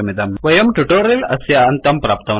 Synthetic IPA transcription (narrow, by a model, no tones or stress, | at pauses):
ɐmid̪ɐmʋɐjɐmʈuʈoːɾilɐsjɐɐnt̪ɐmpɾaːp̚t̪ɐm